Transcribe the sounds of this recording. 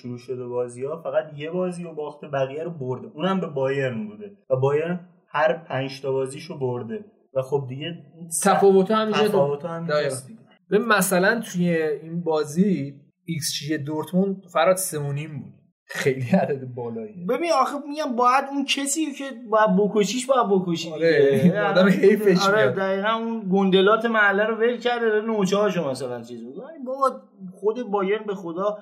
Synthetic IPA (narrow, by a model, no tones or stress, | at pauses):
ʃuɾuːʃod̪ebɒːziɒːfæɣæt̪je̞bɒːziːobɒːxt̪ʰebæɣijæɾoboɾd̪eʔuːnæmbe̞bɒːje̞ɾnbuːd̪evæbɒːjeɾn | hæɾpʰænʃt̪ʰɒːbɒːziːʃoboɾd̪e | væxob̚d̪iɟeint̪ʰæfɒːvo̞t̪ʰɒhæmiæɔvot̪ʰhæmd̪ɒj̪i | b̥ebinmæsælænt̪ʰujeinbɒːziː | ikst͡ʃʰiʃed̪oɾt̪ʰmunfæɾɒːt̪seonimbuːd̥̪ | xejliæd̪æd̪ebɒːlɒːibe̞biniɒxemiɟæmbɒːjæd̪uncʰesiːocʰe̞bɒːjæd̪̚bokʰoʃiːʃbɒːjæd̪̚bokoʃieɒːd̪æmehejfeʃɒɾed̪æɣiːɣænunɡond̪elɒːt̪ʰe̞mæhlːæɾove̞lcʰæɾd̪evæɾinot͡ʃʰɒːʃomæsælænt͡ʃʰizboɡoinbɒːb̪ | χod̪ebɒːjenbe̞xod̪ɒː